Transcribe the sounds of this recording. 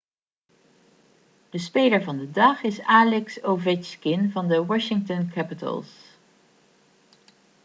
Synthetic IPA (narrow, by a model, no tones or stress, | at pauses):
d̥əspejləɹvɑndədɑχɪsaːlɛksovɪkɪnvɑndəwɑʃɪŋtənkʰæpɪtə̰lˠs